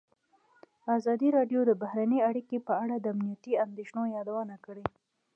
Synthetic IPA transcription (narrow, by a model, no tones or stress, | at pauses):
azɑd̪iɾɑɖjod̪əbahɾanəaɽikepəaɽad̪əamnijat̪iand̪eʃnojɑd̪awənakəɽe